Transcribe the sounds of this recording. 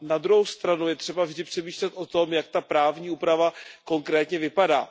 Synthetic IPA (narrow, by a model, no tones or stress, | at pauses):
nad̪ɾuɦowst̪ɾanujɛt̪r̝̥ɛbavʒdɪpr̥ɛmiːʃlɛt̪ʔo̞t̪o̞mjak̚t̪apɾaːvɲiːuːpɾavako̞ŋkɾɛːt̪ɲɛvɪpadaː